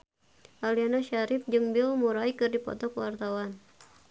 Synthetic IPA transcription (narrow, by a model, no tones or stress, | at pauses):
ʔalianaʃaɾɪp̚d͡ʒɨŋbɪlmuɾaikɨrdipɔ̰t̪ɔkəwart̪awan